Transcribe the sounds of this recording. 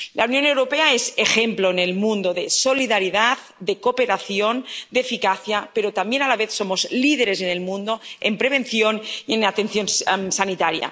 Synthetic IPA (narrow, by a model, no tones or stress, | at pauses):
lawnjonewɾopeaezexemploenelmũnd̪oðesoliðaɾiðað | d̪ekopeɾaθjond̪efikaθjapeɾot̪ambjenalaβ̞eθsomozlið̞eɾezenelmũnd̪oempɾeβ̞enθjonienat̪enθjonsanit̪aɾja̰